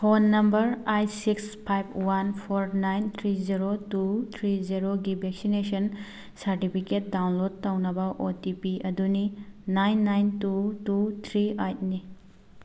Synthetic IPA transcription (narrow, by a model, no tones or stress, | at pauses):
fʰonːɐmbɐɾajsikspʰajp̚ʰwanpʰoɾnajnt̪ʰɾiziɾotut̪ʰɾiziɾoɡibʱeksinesɐn | sɐɾtipʰiket̚dawnlod̚tɐwnɐbɐʔotipiɐduninajnːajntutut̪ʰɾiajt̚ni